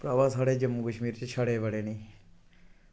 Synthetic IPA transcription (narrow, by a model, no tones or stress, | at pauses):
pɾaːʋaːsaːɽeːd͡ʒəmːukəʃmiːɾt͡ʃet͡ʃʰaɽeːʋəɽeːnĩː